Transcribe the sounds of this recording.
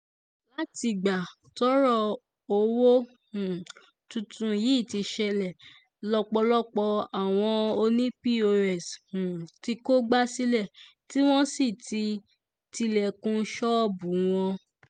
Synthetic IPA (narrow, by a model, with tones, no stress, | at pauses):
la˦ti˧˨ɡ͡ba˨ | tɔ˨˦ɾɔ˦˨ | o˧wo˦ | hũ˨ | tũ˧tũ˧ji˨˦˨ti˧ʃɛ˧lɛ˨ | lɔ˧k͡pɔ˧lɔ˦k͡pɔ˧a˨w̃ɔ̃˧o˧nĩ˦pi˦o˧ɛ˨shũ˨ti˧ko˦ɡ͡ba˦si˦lɛ˦˨ | ti˦w̃ɔ̃˦si˦˨ti˧ | ti˧lɛ˨kũ˧˦ʃɔ˦bũ˨˦w̃ɔ̃˧